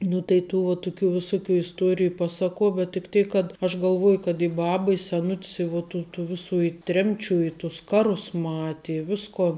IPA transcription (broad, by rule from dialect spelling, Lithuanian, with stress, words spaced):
nʊ tɐɪ ˈtuː ʋɐ ˈtʊˌkʲuː ʋʲɪˈsʊˌkʲuː ɪsˈtuɔrʲɪjʊ ˈpɑːsɐˌkuɔ bʲɛt tʲɪk ˈtʲeːk kɐt ɐʃ ɡɐlˠˈʋoːjʊ kɐt ɪ ˈbɑːbɐ ɪ sʲɛˈnʊtʲs ɪ ʋʊ ˈtuː tuː ˈʋʲɪsuː ɪ ˈtʲrʲɛmʲˌt͡ʃʲuː ɪ tʊs ˈkɑːˌrʊs ˈmɑːtʲɪ ɪ ˈʋʲɪskoːn